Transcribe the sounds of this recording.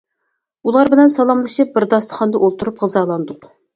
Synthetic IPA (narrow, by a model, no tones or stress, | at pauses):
ulˠɑɾbɪlɛnsɑlˠɑmlˠɨʃɨp̚bɪɾd̪ɑst̪ʰə̥χɑnd̪ɑʔolˠt̪ʰuɾupʁəzɑːlˠɑnd̪ʊq